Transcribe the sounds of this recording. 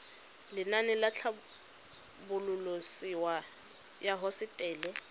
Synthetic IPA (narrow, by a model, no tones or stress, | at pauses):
lɪnanɪlat͡ɬʰa | bʊlʊlosiwa | jaɦɔsɪtʼɛːlɛ